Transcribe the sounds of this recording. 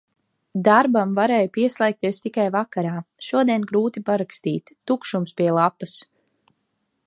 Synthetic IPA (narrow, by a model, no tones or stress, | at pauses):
d̪aɾbamvaɾɛːjpiɛslˠɛjk̚t̪iɛst̪ikajvakaɾaːʃuɔd̪iɛnɡɾuːt̪ipaɾakst̪iːt̪ːukʃumspʲiɛlˠapːas